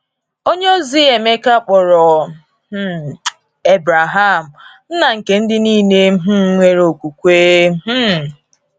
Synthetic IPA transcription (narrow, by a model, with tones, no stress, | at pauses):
o˦ɲ˦zi˦e˨me˦ka˦k͡pɔ˨ɾɔ˨˦ | e˦bɾa˨ɦa˦˨m̩˨n̩˦na˨ŋ̩˨ke˨n̩˦dɪ˦niː˦ne˦ɦ̩˦ŋʷe˦ɾo˨kʷu˨kʷeː˦m̩˦